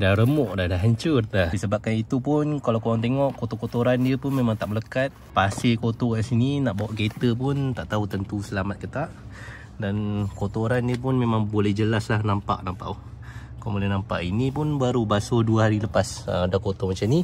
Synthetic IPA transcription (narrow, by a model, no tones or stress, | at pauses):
dahɾəmɔʔdahdaɦaɲt͡ʃʊrahdisəbap̚kanit̪upʊnkalawkowaŋt̪̬eŋɔʔkot̪okot̪oɾandiəpʊnmemãŋt̪aʔmələkat̪̚pasekot̪okansininaʔbawaʔɡet̪əp̬ʊnt̪aʔt̪aut̪ənt̪usəlamat̪̚kət̪aʔ | dankot̪oɾandiəp̬ʊnmemãŋbolɛhd͡ʒəlaslahnampa̰ʔnampa̰ʔu | kambolɛhnampa̰ʔinipʊnbaɾubasoduəɦaɾiləpasə̰dahkot̪omat͡ʃamni